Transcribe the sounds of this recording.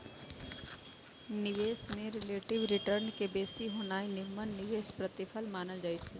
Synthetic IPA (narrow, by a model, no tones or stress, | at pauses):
nɪʋeːsmẽɾɪleːʈɪʋɾɪʈəɾnkebeːsiɦoːnaːinɪmənnɪʋeːspɾət̪ɪpʰəlmaːnəld͡ʒaːit͡ʃʰeː